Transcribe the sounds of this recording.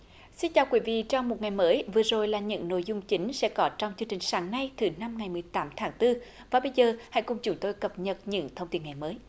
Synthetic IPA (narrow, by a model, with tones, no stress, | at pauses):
si˧nt͡ɕaː˨˩wkwi˨˦vḭ˧˨t͡ɕa˧wmo˨˩t̚ŋa˨˩jməː˨˦jvɨ˨˩əzo˨˩jlaː˨˩ɲɨ̰˧˥ŋno̰˧˨jzʊ˧ŋ͡mt͡ɕi˨˦ŋ̟sɛ̰˧˥kɔ˨˦t͡ɕɔ˧wŋ͡mt͡ɕɨ˧əŋt͡ɕï˨˩ŋ̟saː˨˦ŋna˧jt̪ʰɨ˨˩˦na˧mŋa˨˩jmɨ˨˩əjt̪aː˨˦mt̪ʰaː˨˦ŋt̪ɨ˧ | vaː˨˩ɓə˧jzəː˨˩ha̰˧˥jkʊ˨˩ŋ͡mt͡ɕʊ˨˦ŋ͡mt̪o˧jkə˨˩p̚ɲə˨˩t̚ɲɨ̰˧˥ŋt̪ʰə˧wŋ͡mt̪i˧˩əŋa˨˩jməː˨˦j